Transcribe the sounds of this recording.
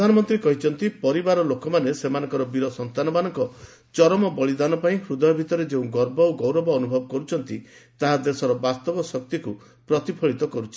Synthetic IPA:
d̪ʱanɔmɔnt̪ɾikɔɦit͡ʃʰɔnt̪ipɔɾibaɾɔlokɔmanesemanɔ̃ŋkɔɾɔbiɾɔsɔnt̪anɔmanɔ̃ŋkɔ | t͡ʃɔɾɔmɔbɔɭid̪anɔpaĩkʰɾud̪ɔjɔbʱit̪ɔɾed͡ʒeũɡɔɾbɔwɡɔwɾɔbɔːnubʱɔbɔkɔɾut͡ʃʰɔnt̪it̪aɦad̪esɔɾɔbast̪ɔbɔsɔk̚t̪iku | pɾɔt̪ipʰɔɭit̪ɔkɔɾut͡ʃʰi̥

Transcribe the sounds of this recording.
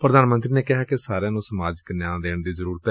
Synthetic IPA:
pɾəd̪aːnmə̃nt̪ɾiːneːkɪɦaːkɪsaːɾjãːnũːsəmaːd͡ʒknãːd̪eːɳd̪iːzəɾuːɾət̪ɛː

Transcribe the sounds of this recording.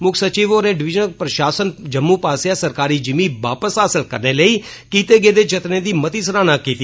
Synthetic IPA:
mʊkʰsət͡ʃiːʋoːɾẽːɖɪʋɪd͡ʒənəpɾəʃaːsənd͡ʒəmːuːpaːsjaːsəɾkaːɾiːd͡ʒɪmĩːʋaːpəsɦaːsəlkəɾneːləiː | kiːt̪eːɡeːd̪eːt͡ʃət̪nẽːd̪iːmət̪iːs̬əɾaːnãːkiːt̪i

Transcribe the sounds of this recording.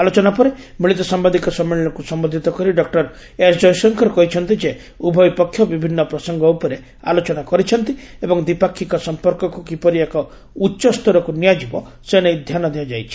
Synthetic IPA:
alot͡ʃɔnapɔɾe | miɭit̪ɔsambad̪ikɔsɔmːiɭɔɭ̃ɔkusɔmbɔd̪ʱit̪ɔkɔɾiɖɔk̚ʈɔɾ | esd͡ʒɔjsɔŋkʰɔɾekɔɦit͡ʃʰɔnt̪id͡ʒe | ubʱɔjpɔkʰːjɔbibʱinːɔpɾɔsɔŋɡɔupɔɾe | a̰lot͡ʃɔnakɔɾit͡ʃʰɔnt̪iebɔŋd̪ipakʰːikɔsɔmpɔɾkɔkukipɔɾiekɔ | utːʃɔst̪ʰɔɾɔkunijad͡ʒibɔ | senejd̪ʱjanɔd̪iad͡ʒajt͡ʃʰi̥

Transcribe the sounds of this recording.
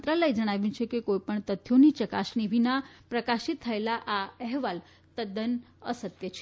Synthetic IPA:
t̪ɾaləjd͡ʒəɽ̃aʋjũt͡ʃʰekekoipəɳt̪ət̪ʰːjonit͡ʃəkaʃniʋʱinapɾəkaʃit̪ʰːəelaʔaɛɦʋal | t̪əd̪ən | ə̰sət̪jət͡ʃʰe

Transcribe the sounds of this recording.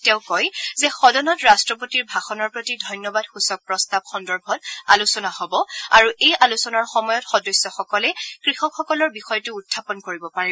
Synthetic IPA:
tɛʊ̃kɔjzɛxɔdɔnɔtɹastɹɔpotiɹbʱaxɔnɔɹpɹotidʱɔjnjɔbadxusɔk̚pɹɔstab̚xɔndɔɹbʱɔta̰lusɔnahɔbɔaɹuʔejʔalusɔnaɹxɔmɔjɔtxɔdɔsːɔxɔkɔlɛkɹixɔkxɔkɔlɔɹbixɔjɔtʊːtʰːapɔnkoɹibɔpaɹi

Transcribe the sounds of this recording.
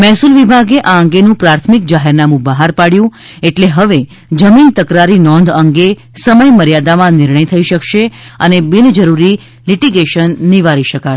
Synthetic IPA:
mɛɦsulʋibʱaɡeʔaəŋɡenũpɾaɾt̪ʰmik̚d͡ʒaɦɛɾnamũbəɦaɾpaɽjũ | eʈleɦəʋe | d͡ʒəmint̪əkɾaɾinɔ̃nd̪ʱəŋɡe | səməjməɾjad̪amãnɪɾɳəjt̪ʰəiʃəkʃeənebɪnd͡ʒəɾuɾi | liʈiɡeʃənːiʋaɾiʃəka

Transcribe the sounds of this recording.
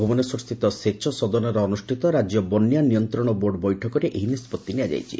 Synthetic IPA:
obɔnesɔist̪ʰit̪ɔset͡ʃʰɔsɔd̪ɔnɔɾɔːnusʈʰit̪ɔɾad͡ʒjɔbɔnːjanijɔnt̪ɾɔɽ̃ɔboɾɖbɔjʈʰɔkɔɾeʔeɦinispɔt̪ːiniad͡ʒa̰jt͡ʃʰḭ

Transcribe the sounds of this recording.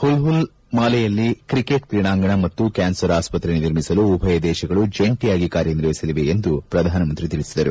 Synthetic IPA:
hulɦul | maːlɛjɐlːikɾikeʈt̪ɾiɳaːŋɡɐɳɐmɐt̪ːukaːnsɐɾaːspɐt̪ɾeniniɾmisɐluːbʱɐjɐd̪ɛːʃɐɡɐɭud͡ʒeɳʈijaːɡikaːɾjɐniɾʋisɐliʋeend̪upɾɐd̪ʱaːnɐmɐnt̪ɾit̪iɭisid̪ɐɾu

